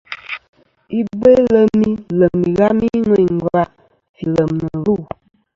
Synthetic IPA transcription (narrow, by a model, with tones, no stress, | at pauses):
i˦be˦lə˦mi˦lə˨mi˨ɣa˦mi˦ŋə˦˨ŋ̩˨ɡa˦ʔ | fi˨lə˨mnə˨lu˦˨